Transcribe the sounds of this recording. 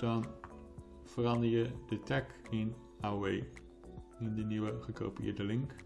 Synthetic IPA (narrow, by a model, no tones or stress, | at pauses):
d̥ɑn | fərɑndəɹjədətɛkɪn | awej | ɪndəniwəχəko̰wpiɪ̰ːɹdəlɪŋk